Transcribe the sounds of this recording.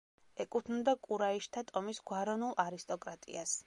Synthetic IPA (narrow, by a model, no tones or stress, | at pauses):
ɛkʼut̪ʰnund̪akʼuɾaiʃt̪ʰat̪ʼɔmisɡwaɾɔnulˠʔaɾist̪ʼɔkʼɾat̪ʼḭas